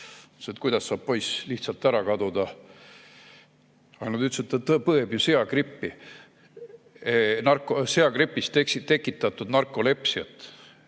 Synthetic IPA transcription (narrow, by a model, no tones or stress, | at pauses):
set̪kujd̪̥ɑsːɑːb̥po̞jsliht̪sɑlt̪ːˑæɾɑkɑd̪ud̪̥ɑ | ɑkɡɑnɑd̪yt̪sut̪ːˑet̪ːɤpɤebjuse̞ɑɡripːi | nɑrkoseɑɡɾipːˑist̪eksit̪e̞kːˑit̪ːˑɑt̪ːˑud̪̥nɑrkːˑo̞le̞psiɑt̪ːˑ